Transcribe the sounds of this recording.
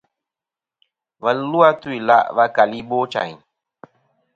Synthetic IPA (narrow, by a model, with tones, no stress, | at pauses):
va˨llu˦a˦tu˦i˨la̰˦ʔva˦ka˨li˦bo˦t͡ʃã̰˨ɲ˨